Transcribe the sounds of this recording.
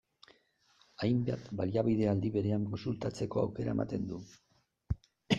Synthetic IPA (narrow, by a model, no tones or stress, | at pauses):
ajmbat̪baliaβiðe̞ald̪iβe̞ɾe̞aŋko̞nsult̪at͡se̞ko̞a̰wke̞ɾa̰e̞mat̪e̞nd̪u